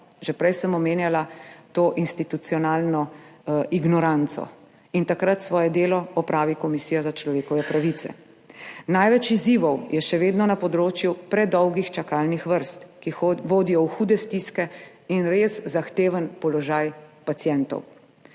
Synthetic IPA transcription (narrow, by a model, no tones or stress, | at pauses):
ʒɛpɾɛjsəmɔmeːnjalat̪oːʔinst̪it̪ut̪siɔnaːlnɔiɡnɔɾant̪sɔ̰ | int̪akɾat̪sʋɔːjɛd̪eːlɔɔpɾaːʋikɔmisiːjazat͡ʃlɔʋeːkɔʋɛpɾaʋit̪sɛ̰ | najʋɛt͡ʃiziʋɔwjɛʃɛʋeːd̪nɔnapɔd̪ɾoːt͡ʃjupɾɛd̪ɔwɡixt͡ʃakalnixʋəɾst̪kiʋoːd̪ijɔwxuːd̪ɛst̪iskɛ | inɾezzaxt̪eːʋənpɔlɔʒajpat̪sjɛnt̪ɔ̰w